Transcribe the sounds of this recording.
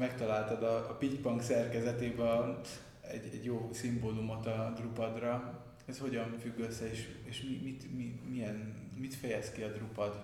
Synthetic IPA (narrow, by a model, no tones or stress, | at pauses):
mɛkt̪ɒlaːlt̪ɒd̪ɒːpicpɒŋksɛrkɛzɛt̪eːbɛ | ɛɟɛɟjoːsimbolumot̪ɒd̪rupɒd̪rɒ | ɛsho̞ɟɒɱfyɡːøsːɛeːʃeːʃmimit̪mimijɛn | mit̪fɛjɛskiɒd̪rupɒd̪